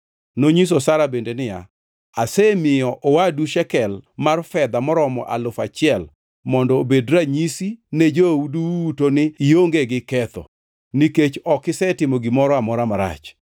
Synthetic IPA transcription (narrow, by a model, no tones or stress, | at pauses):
noɲis̬osaɾabendenɪja | asɛmɪɔʔowaduʃɛkɛlmarfɛd̪amɔɾɔmɔ̰ʔa̰lʊfat͡ʃɪɛl | mɔndɔobedɾaɲisined͡ʒouduutonɪːjoŋɡeɡɪkɛt̪ɔ̰ | niket͡ʃɔkɪsɛtɪmoɡɪmɔɾɔamɔɾamaɾa̰t͡ʃ